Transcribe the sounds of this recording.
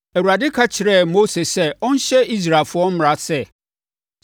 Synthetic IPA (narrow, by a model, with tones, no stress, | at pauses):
æ˨wu˨ɾa˨dɪ˦kʰa˦t͡ɕʰɪ˨ɾɛ˦˨mo˦se˨sɛ˦ɔ˦n̩˦ɕɛ˦i˦s̬ɾa˨lfʊ˦ɔ˦m̩˦m˨ɾa˨sɛ˦